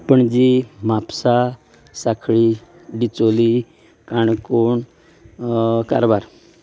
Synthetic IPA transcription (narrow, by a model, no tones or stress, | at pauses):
pəɳd͡ʑimapsa | sakʰɭi | ɖit͡soli | kaɳkoɳ | ka̰ɾbaɾ